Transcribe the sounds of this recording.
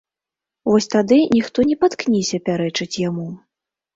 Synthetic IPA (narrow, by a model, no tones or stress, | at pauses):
vɔsʲt̪ad̪ɨnʲixt̪ɔnʲɛpat̪knʲisʲɐpʲaɾɛt͡ʂɨt͡sʲjamu